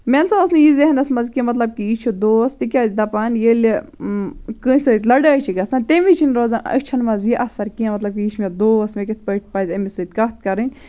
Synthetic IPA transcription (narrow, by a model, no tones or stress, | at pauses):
mʲensaosnijizeɦɐnɐsmɐzkimɐt̪lɐb̚kiit͡ʃʰod̪oːst̪ikʲaːzʲd̪ɐpaːnjel | kɨ̃sət̪ʲlɐɖaːt͡ʃʰiɡɐsãnt̪emit͡ʃʰinɾoːzaɐ̰t͡ʃʰɐnmɐzjiʔɐsɐɾkiɐ̃mɐt̪lɐb̚kiit͡ʃʰmed̪oːsmʲekʲet̪̚ʰpəʈ̚ʰpaːzʲɐmisət̪̚ʲkɐt̪̚ʰkɐɾɨnʲ